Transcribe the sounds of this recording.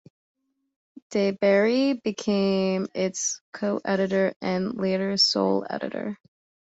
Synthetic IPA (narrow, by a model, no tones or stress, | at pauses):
d̥eɪbɛɹibɨkʰẽɪ̃mɪtskʰoʊʔɛɾɨɾə˞ɨ̃nleɪɾə˞so̰ʊlˠɛ̰ɾɨ̰ɾə̰˞